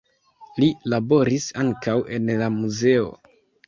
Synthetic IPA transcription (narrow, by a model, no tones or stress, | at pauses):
lilabo̞ɾisaŋkawe̞nlamuze̞o̞̰